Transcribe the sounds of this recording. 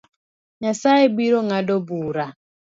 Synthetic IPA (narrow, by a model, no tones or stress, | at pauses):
ɲasajebiɾoŋadɔbuːɾa